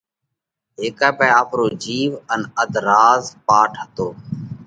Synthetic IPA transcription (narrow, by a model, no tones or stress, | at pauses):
ɦeːkaːpɛːaːpɾoːd͡ʒiːʋənəd̪ɾaːzpaːʈʰɦət̪oː